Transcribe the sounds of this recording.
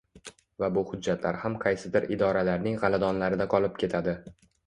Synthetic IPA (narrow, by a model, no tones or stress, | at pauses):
vabʊhʊd͡ʒːat̪ʰla̰ɾhamqʰɑjsɪd̪ɪɾɪd̪ɒɾalaɾnɪŋʁɑlad̪ɒnlaɾɪd̪aqʰɒlˠɪp̚kʲʰe̞t̪ʰad̪ɪ